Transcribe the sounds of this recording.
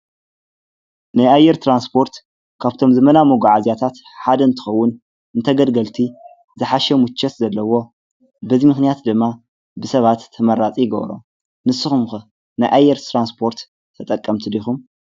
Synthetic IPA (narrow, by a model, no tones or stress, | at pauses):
najajɛɾt̪ʰɾanspʰo̞ɾt̪ | kʰaβt̪ʰo̞mzɐmɐnamoɡuʕazjat̪ʰat̪ħad̪ɐɨnt̪ʰɨ̥xɐwːʊn | ɨnt̪ʰɐɡɐlɡɐlt̪ʰi | zɨħaʃɛmut͡ʃːɐt̪zɐlːɐwo̞ | bɨzimɨxnijat̪d̪ɨmːa | bɨsɐβat̪ʰːɐmɐɾat͡sʼijɪɡɐ̰βɾo̰m | nɨsɨxumxɨ | najʔajːɛɾt̪ʰɾanspʰo̞ɾt̪ːʰ | ɐt̪ʼɐkʼːɐmt̪ʰid̪ixum